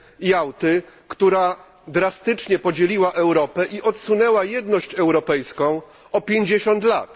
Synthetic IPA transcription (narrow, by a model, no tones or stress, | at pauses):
jawt̪ɘ | kt̪uɾa | d̪ɾast̪ɘt͡ʂɲɛpɔd͡ʑelʲiwaʔɛwɾɔpɛʔiʔɔt̪sunɛwajɛd̪nɔɕt͡ɕɛwɾɔpɛjskɔ̃w̃ | ɔpʲjeɲd͡ʑeɕɔnt̪lat̪